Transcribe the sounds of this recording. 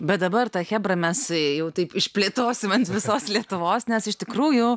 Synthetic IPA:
bʲɛt̪̚d̪ɐbɐrt̪ɐxʲæːbrɐmʲɛsjɛʊt̪ɐɪpɪʃʲpʲlʲeːt̪oːsʲɪmɐnt̪ʋʲɪsoːslʲiɛt̪ʊʋoːsnʲɛsɪʃt̪ʲɪkɾuːjʊ

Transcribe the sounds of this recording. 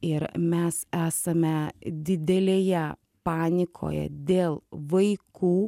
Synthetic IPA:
ɪɾmʲɛsæːsɐmʲɛd̪ʲɪd̪ʲɛlʲeːjɛ | pɑːnʲɪkʰo̰ːjɛ̰d̪ʲeːlˠʋɐɪkuː

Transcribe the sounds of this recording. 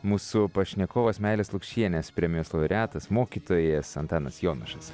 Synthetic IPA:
muːsʊpɐʃʲnʲɛkoːʋɐsmʲæˑɪlʲeːslˠʊkʃʲiɛnʲɛspʲɾʲɛmʲɪjoːslˠɐʊɾʲæːt̪ɐsmoːkʲiːt̪oːjɛsɐ̰nt̪ɑːnɐsjoːnɐʃɐs

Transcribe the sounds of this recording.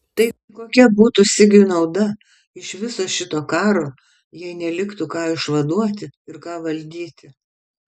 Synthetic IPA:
t̪ɐɪ | koːkʲɛbuːt̪usʲɪɡʲʊnɐʊd̪ɐ | ɪʃʋʲɪsoːʃʲɪt̪oːkɑːɾoː | jɛɪnʲɛlʲɪkt̪ukɑːɪʃʋɐd̪uɔt̪ʲɪɪɾkɑːʋɐlʲd̪ʲiːt̪ʲɪ

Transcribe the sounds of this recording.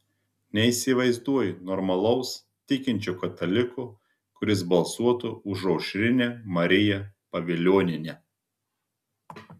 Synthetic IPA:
nʲɛiːˑsʲɪʋɐɪzd̪uɔjɪnɔɾmɐlˠɒʊs | t̪ʲɪkʲɪnʲt͡ʃʲʊkɐt̪ɐlʲɪkʊ | kʊɾʲɪsbɐlˠsuɔt̪ʊʊʒɒʊʃʲɾʲɪnʲeːmɐɾʲɪjɛpɐʋʲɪlʲuɔnʲɪnʲeː

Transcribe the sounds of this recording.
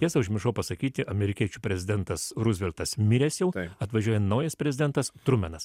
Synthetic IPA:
jʲɛsɐʊʒʲmʲɪʃɐʊpɐsɐkʲiːt̪ʲɪʔɐmʲɛɾʲɪkʲiɛt͡ʃʲupʲɾʲɛzʲɪd̪ʲɛnt̪ɐsɾʊzʲʋʲɛlʲt̪ɐsmʲɪɾʲɛsjɛʊt̪ɐt̪ʋɐʒʲuɔjɛnɐʊjɛspʲɾʲɛzʲɪd̪ʲɛnt̪ɐst̪ɾʊmʲɛnɐs

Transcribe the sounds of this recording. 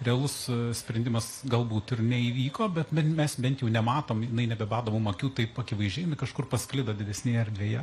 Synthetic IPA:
rʲɛɐlˠʊssʲpʲɾʲɛnʲd̪ʲɪmɐsɡɐlˠbuːt̪ɪrnʲɛiːʋʲiːkoːbʲɛt̪mʲɛnmʲɛsbʲɛnt̪jɛʊnʲɛmɑːt̪oːmjɪnɐɪnʲɛbʲɛbɑːd̪oːmumɐkʲuːt̪ɐɪpɐkʲɪʋɐɪʒʲɛːjɛmʲɪkɐʃkʊrpɐsʲklʲɪd̪oːd̪ʲɪd̪ʲɛsʲnʲeːjɛɐɾʲdʲʋʲeːjɛ

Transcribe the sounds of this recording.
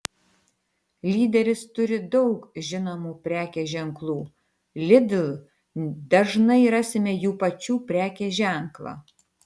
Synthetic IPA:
lʲiːd̪ʲɛɾʲɪst̪ʊɾʲɪd̪ɒʊkʒʲɪnomuːpʲɾʲæːkʲeʒʲɛŋklˠuː | lʲɪd̪ʲlˠ | d̪ɐʒnɐɪɾɑsʲɪmʲeːjuːpɐt͡ʃʲuːpʲɾʲæːkʲeʒʲæˑŋklˠɑ̰ː

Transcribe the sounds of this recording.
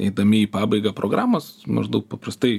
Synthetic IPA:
ɛ̰ɪd̪ɐmʲɪiːpɑːbɐɪɡɐpɾʔoːɡɾaːmosmɐ̰ʒd̪ɐʊk̚pɐprɐst̪ɐɪ

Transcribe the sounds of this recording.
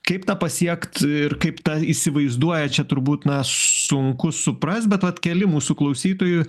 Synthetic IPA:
kɐɪpt̪ɑːpɐsʲiɛkt̪ɪrkɐɪpt̪ɐisʲɪʋɐɪzd̪uɔjɛt͡ʃʲɛt̪ʊɾbuːt̪nɐsʊŋkʊsʊpɾɐst̪̚bʲɛt̪ʋɐt̪kʲɛlʲɪmuːsʊklˠɐʊsʲiːt̪oːjʊ

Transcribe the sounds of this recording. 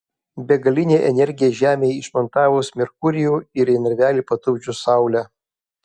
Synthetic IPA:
bʲɛɡɐlʲɪnʲeːʔɛnʲɛɾʲɡʲɪjɛʒʲæːmʲeːɪʃmɔnt̪ɑːʋʊːsmʲɪɾkʊɾʲɪjuːɪɾɪnɐɾʲʋʲæːlʲipɐt̪ʊbʲd͡ʒʲʊsɑˑʊlʲæ

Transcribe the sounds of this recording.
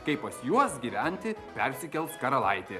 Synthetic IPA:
kɐɪppɐsjuɔsɡʲiːʋʲɛnʲt̪ʲɪpʲɛɾʲsʲɪkʲɛlˠskɐɾɐlˠɐɪt̪ʲeː

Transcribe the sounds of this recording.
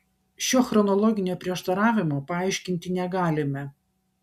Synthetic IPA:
ʃʲoːxɾɔnɔlˠɔːɡʲɪnʲoːpʲɾʲiɛʃt̪ɐɾɑːʋʲɪmoːpɐɑɪʃʲkʲɪnʲt̪ʲɪnʲɛɡɑːlʲɪmʲɛ

